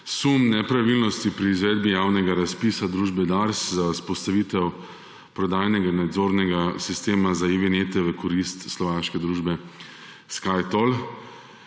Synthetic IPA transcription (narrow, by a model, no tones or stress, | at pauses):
sumnɛpɾaʋilnɔst̪ipɾiːzʋɛːd̪bijaːwnɛɡaɾaspisad̪ɾuːʒbɛd̪aɾszaspɔst̪aʋiːt̪ɛw | pɾɔd̪aːjnɛɡanad̪zoːɾnɛɡasist̪eːmazaeʋenet̪ɛʋɛkɔɾist̪slɔʋaːʃkɛd̪ɾuːʒbɛ | skajt̪ɔl